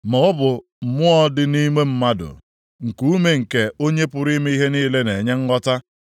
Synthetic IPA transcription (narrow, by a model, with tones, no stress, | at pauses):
mɔ˨ʊ˦bʊ˨ | m̩˨mʊ˦ɔ˦dɪ˨ni˦me˦m̩˦ma˦dʊ̰˨ | ŋ̩˨ku˦me˨ŋ̩˨ke˦o˦ɲe˦pʊ˦˨ɾi˦me˦i˦ɦe˦niː˦le˦ne˨ɲe˦ŋ̩˦ɡɔ˦ta˦